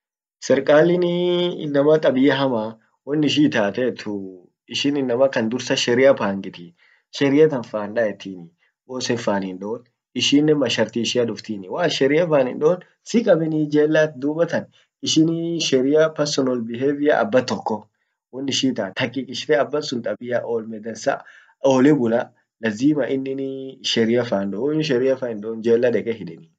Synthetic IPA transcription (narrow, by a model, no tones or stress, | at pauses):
sɛɾkʼaːlɪnɪɪ̰nːɐmɐt̪ʼɐbɪjɐɦɐma | wɔnːɪʃ̬iːt̪aːt̪eːt̪ʰʊ | ɪʃɪnɪnːɐmɐkɐnd̪ʊɾsɐʃɛɾɪjɐpaːŋɡʼɪt̪ɪ | ʃɛɾɪjɐt̪ɐnfaːnᶑɐɛt̪ːiːnɪ | boːsɛfaːnɪnᶑoːn | ɪʃiːnːɛmɐʃɐɾt̪iːʃɪɐᶑʊft̪iːnɪwaːʃɛɾɪjɐfaːnɪnᶑoːn | sɪkʼɐbɛnid͡ʒeːlːat̪d̪uːbɐt̪ɐn | ɪʃɪnʃɛɾɪjɐpɐɾsɔnɔlbɪɦebɪjɐʔɐ̰bːɐt̪ːɔkːɔ | wɔnːɪʃiːt̪aːt̪ɐkʼːikʼɪʃt̪ɛɐbːɐsʊnt̪ʼɐbɪjɐʔoːlmɛd̪ɐnsɐ̰ | oːlɛbʊlɐ | lɐziːmɐʔɪnːɪnʃɛɾɪjɐfaːnᶑɔɔɪʃ̬ɛɾɪjɐfaːnɪnɗɔːnd͡ʒeːlːɐᶑɛkʼɛɦɪᶑɛni